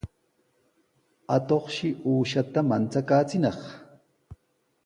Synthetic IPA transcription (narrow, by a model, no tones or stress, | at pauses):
at̪oχʃɪʔuːʃat̪amant͡sakaːt͡sɪnɑχ